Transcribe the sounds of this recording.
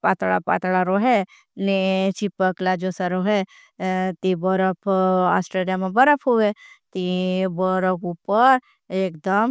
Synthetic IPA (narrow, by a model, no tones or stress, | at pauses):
paːt̪ɭa̰pa̰ːt̪ɭaɾoɦe | net͡ʃipəklad͡ʒosaɾoɦe | t̪ibəɾəpʰa̰ːsʈɾeːlijamẽbəɾəpʰɦuʋet̪ibəɾəpʰupəɾ | eːkd̪əm